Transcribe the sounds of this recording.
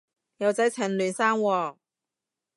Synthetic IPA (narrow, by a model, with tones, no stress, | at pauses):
jɐ˨˧wt͡sɐ˨˥jt͡sʰɛ˨˩nlyː˨˩nsaː˥ŋwɔː˧˩